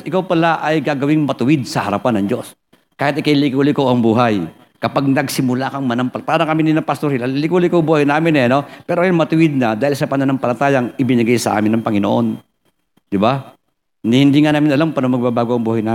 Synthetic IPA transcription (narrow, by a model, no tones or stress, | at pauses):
ʔɪkawpɐlaʔɐjɡaɡɐwɪŋmɐt̪ʊwɪd̪̚sɐhɐɾɐpanːɐŋd͡ʒo̞s | kaːhɪt̪ɪkajlɪkuːlɪkoʔɐŋbuːɦɐj | kɐpaɡ̚nɐɡsɪmʊlakɐŋmɐnɐŋpɐpaɾɐŋkɐmɪnɪnɐpɐst̪oɾhɪlallɪkuːlɪkobuːhɐjnaːmɪnɛɐnopɛːɾoʔajŋmɐt̪ʊwɪd̪̚nɐd̪aːhɪlsɐpɐnɐnɐŋpɐlɐt̪aːjɐŋʔɪbɪnɪɡajsɐʔa̰ːmɪnːɐŋpɐŋɪnoʔon | d̪̥ɪba | nhhɪnd̪iŋanaːmɪnʔɐlampɐnomɐɡ̚babaːɡoʔɐŋbuːhɐjnaː